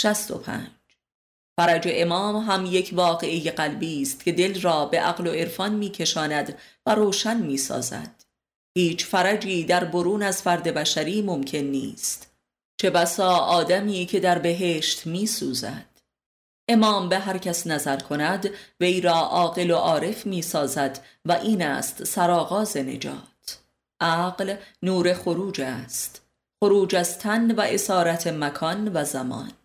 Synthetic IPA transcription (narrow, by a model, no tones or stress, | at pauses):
ʃæst̪o̞̰pʰæ̰ːnd͡ʒ | fæɾæd͡ʒe̞ʔemɒːmɦæmjecʰvɒːɣe̞ejeɢælbiːst̪cʰʲe̞d̪e̞lrɒːbe̞ʔæɣlo̞e̞ɾfɒːnmiːcʰe̞ʃɒːnæd̪væɾoːʃænmiːsɒ̰ːzæ̰d̪̥ | hiːt͡ʃʰfæɾæd͡ʒiːd̪æɾbo̞ɾuːnæzfæɾd̪e̞bæʃæɾiːmomcʰe̞nːḭːst̪ | t͡ʃʰe̞bæsɒːʔɒːd̪æmiːcʰe̞d̪æɾbe̞ɦe̞ːʃt̪miːsuːzæ̰d̪̥ | ʔe̞mɒːmbe̞ɦæɾcʰæsnæzæɾkʰo̞næd̪ve̞jɾɒːʔɒːɣe̞lo̞ʔɒːɾe̞fmiːsɒːzæd̪ | væʔiːnæ̰ːst̪sæɾɒːɣɒːze̞ne̞̰d͡ʒɒ̰ːt̪ʰ | ʔæːɢlnuːɾe̞xo̞ɾuːd͡ʒæst̪ | xo̞ɾuːd͡ʒæzt̪ʰænvæʔe̞sɒːɾæt̪ʰemækʰɒːnvæzæmɒ̰ːn